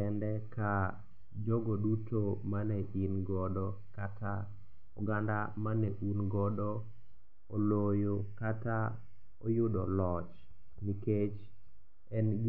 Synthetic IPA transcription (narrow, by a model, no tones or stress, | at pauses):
ɛndɛka | d͡ʒɔɡɔdutomanɛʔinɡɔdɔ | katʰa | uɡandamanɛʔunɡɔdɔ | ɔlojokata | ɔjʊdɔlɔt͡ʃ | niket͡ʃ | ɛnɡ